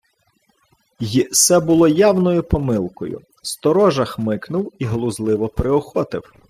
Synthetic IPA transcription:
jisɛbʊlˠɔjɑwnɔjʊpɔmɪlˠkɔ̰jʊ̰ | st̪ɔɾɔʒɐxmɪknʊwiɦlˠʊzlˠɪʋɔpɾɪɔxɔt̪ɪ̰w

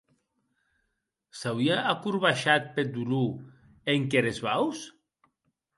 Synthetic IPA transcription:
sawiaakuɾβaʃat̪̚ped̪ulu | eŋkeɾezβaws

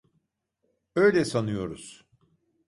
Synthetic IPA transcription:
ø̞jlʲɛsanɯjo̞ɾuz̥

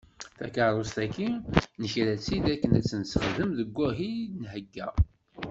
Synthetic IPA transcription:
θækəɾˤost̪ækːinəçɾæt͡sːid̪ækːənæt͡sːənsχəðəmðəɡʷːæɦinɦəɡːæ

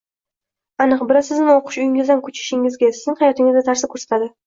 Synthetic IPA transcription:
anɨqbɪɾasɪznɪoqʰɨ̥ʃʊjɪŋɪzd̪ankʰʊt͡ʃʰɪ̥ʃɪŋɪzɡʲasɪznɪŋhajɒt̪ɪŋɪzd̪at̪ʰaɾsɪkʰɵɾsat̪ʰad̪ɪ

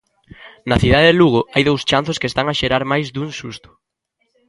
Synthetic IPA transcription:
nɐθiðaðeðeluɣ̞ʊajðowst͡ʃan̟θʊskeːst̪aŋaʃeɾaɾmajzd̪uŋsust̪ʊ̥

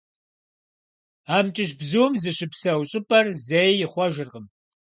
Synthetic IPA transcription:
aːmt͡ʃʼɪʃbzuːmzɨɕɪpsɐwɕʼɪpʼɐrzejjɪχʷɔʒɪrʁəm

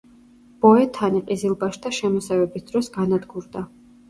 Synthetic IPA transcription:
b̥ɔɛt̪ʰaniqʼizilˠbaʃd̪aʃɛmɔsavɛbisd̪̥ɾɔsɡanad̪ɡuɾd̪a

